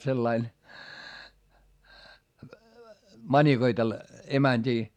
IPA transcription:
selːɑin mɑnʲikoitelːɑ emænʲd̥iː

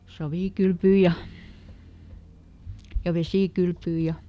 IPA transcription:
sɑʋiˑkylpyː jɑ jɑ ʋesiˑkylpyː jɑ

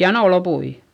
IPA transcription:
jɑnoˑ lopui

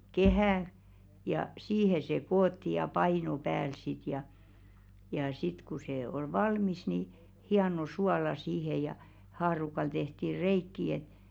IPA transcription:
kehæˑ jɑ siːhe se koːtːi jɑ pɑino pæːl sit jɑ jɑ sit ku se ol ʋɑlmis ni hiɑno suɑlɑ siːhe jɑ hɑːrukɑl tehti reikːi et

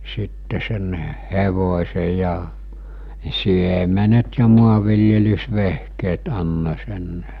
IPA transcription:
sitːe sen heʋosʲe jɑ siemenet jɑ muɑʋˑiljelysʋehkeːt ɑnːo̟ sen

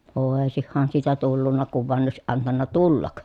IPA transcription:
oˑesihːɑn siːtæ tulːunːɑ kuʋ ʋoɑn oˑesiʔ ʔɑntɑnːɑ tulːɑk

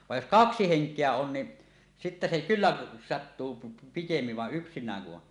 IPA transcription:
ʋɑj jos kɑksi heŋkˑeæ on ni sitːæ se kylːæʔ sɑtːuː pi pikemːiʋ ʋɑʔ ʔyksinˑæːŋ ku ʔon

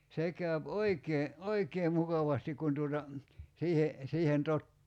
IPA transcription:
se kˑæyp oikeː oikeː mukɑʋɑstik kun tuotɑ siːhe siːhen totːuː

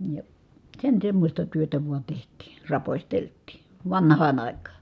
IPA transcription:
jɑ sen semːosʲtɑ tyøtæ ʋuɑ tehtˑiː rɑposʲteltˑiˑ ʋɑnhˑɑːn ɑˑikˑɑː

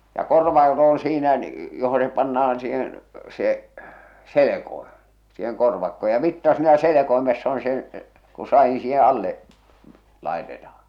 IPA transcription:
jɑ korʋɑːkot oːn̞ siːnæ joho se pɑnːɑɑn siːhen se selekoim̥ siːheŋ korʋɑkːo jɑ ʋitːɑ siːnæ selekoimesː on se ku sɑin̞ siːhe ɑlːeʔ lɑˑe̝tetɑhɑ̥

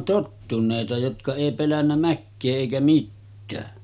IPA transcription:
totːuneˑitɑ jotkɑ eˑi pelænːæ mækːeː eˑikæ mitːæː

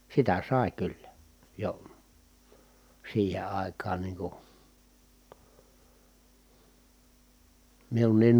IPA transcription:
sitæ sɑˑi̯ kylːæ jo siːhe ɑˑi̯kɑːn niː ku miunːiːn

